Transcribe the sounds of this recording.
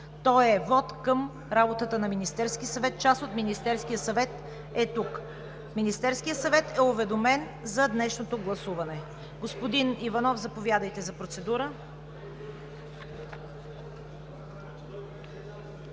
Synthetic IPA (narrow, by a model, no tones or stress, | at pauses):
t̪ɔjɛvɔt̪kəm | ɾabot̪ət̪ənɐminist̪ɛɾskʲisɐvɛt̪̚t͡ʃasot̪minist̪ɛɾsk̟ijəsɐvɛt̪ | ɛt̪uk | minist̪ɛɾskijət̪sɐvɛt̪ɛʊvɛd̪omɛn | zɐd̪nɛʃnot̪oɡlˠɐsuvɐnɛ | ɡospod̪inivɐnɔfzɐpovʲjad̪əjt̪ɛzɐpɾot̪sɛd̪uɾə